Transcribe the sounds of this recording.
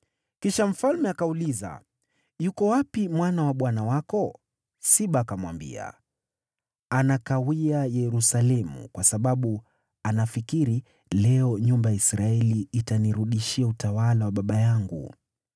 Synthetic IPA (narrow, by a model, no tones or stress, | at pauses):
kiʃam̩falmɛakauliza̰ | jukɔwapimwanawaɓwanawakɔ | siɓaːkamwa̰mbḭa̰ | anakawiajɛɾusalɛmṵkwasaɓaɓu | anafikiɾi | lɛɔɲumbajaisɾaɛliːtaniɾuɗiʃiautawalawaɓaɓajaŋɡṵ